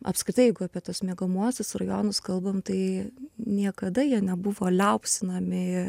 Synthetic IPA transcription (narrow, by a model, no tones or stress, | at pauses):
ɐ̰pskɾʲɪtɐɪɛɪɡʊɐːpʲiɛt̪uɔsmʲiɛɡɐmuɔsʲɪsrɐjoːnʊskɐlˠbɐmt̪ɐɪnʲiɛkɐd̪ɐjiɛnʲɛbʊʋoːlʲɛʊpsʲɪnɐmʲɪ